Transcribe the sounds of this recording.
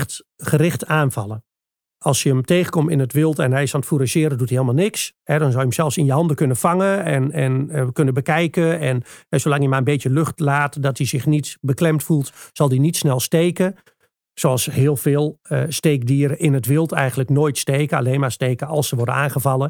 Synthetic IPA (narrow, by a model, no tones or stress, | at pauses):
t | xərɪxtaːnfɑlˠə | ɑlˠsjəəmteːɣəkomtɪnətʋɪlˠtɛnɦɛjsɔnətfuɾəʃɪəɾədutiheːlˠmalˠnɪkshɛdɔnzɔlˠjəmsɛlˠfsɪnjəɦɑndəkønəfaŋəɛnɛnkønəbəkɛjkəɛnɛsolɑŋjəmaənbeːtjəløxtlaːtdɔtisɪxnitbəklɛmtfulˠtsɑlˠdinitsnɛlˠsteːkə | soɑlˠshɪːəlˠfɪːlˠəsteːk̚diəɾəʔɪnətʋɪlˠtʰɛ̰jɣəntləknoːjtsteːkəa̰leːnmasteːkəɑ̰lˠsəʋɔrdənaːnɣəvɑlˠə